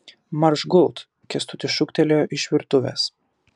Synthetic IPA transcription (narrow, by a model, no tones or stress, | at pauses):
mɐɾʃɡʊlˠt̪ | kʲɛst̪ʊt̪ʲɪʃʊkt̪ʲɛlʲoːʔɪʃʲʋʲɪɾt̪ʊʋʲɛ̰ːs